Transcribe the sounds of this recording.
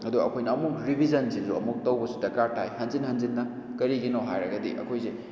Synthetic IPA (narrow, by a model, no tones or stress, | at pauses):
ɐduɐkʰojnɐːmuk̚ɾibʱizɐnzizuɐ̰muk̚tɐwbɐsudɐkaɾtʰajhɐnzinhɐnzinːɐ | kɐɾiɡinowɦajɾɐɡɐdḭʔɐ̰kʰojse